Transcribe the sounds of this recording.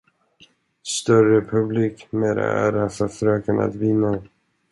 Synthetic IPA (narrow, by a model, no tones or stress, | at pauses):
st̪œrəpʰɵbliːkmeːɾa̰æ̰ːɾafœɾfœɾøːkəna̰t̪vɪnːa